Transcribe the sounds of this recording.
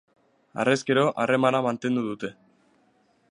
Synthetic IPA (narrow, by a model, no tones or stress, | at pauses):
a̰reskeɾo̞ʔare̞manamant̪e̞nd̪uðut̪e̞